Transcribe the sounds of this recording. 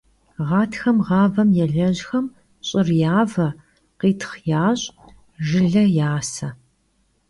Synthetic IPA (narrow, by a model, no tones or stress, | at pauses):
ʁɑːtʰxɐmʁɑːvɐmjɛɮɐʑxɐm | ɕʼɪrjaːvɐ | qiːtʰχjaːɕʼ | ʒɨɮɐjaːsɐ